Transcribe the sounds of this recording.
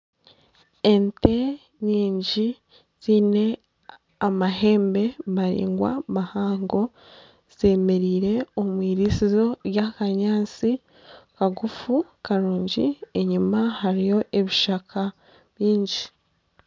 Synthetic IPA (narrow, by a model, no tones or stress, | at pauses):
e̞nte̞ | ɲiːɲɟi | z̥ine̞ | amaɦe̞ːmbe̞βaɾḭːŋɡwa̰mahaːŋɡo̞ | z̥e̞ːme̞ɾiːɾe̞omwiːɾisizo̞jakaɲaːt͡si | kaɡufukaɾuːɲɟie̞ɲumahaɾijo̞ʔe̞βiʃakʰa | βjiːɲɟi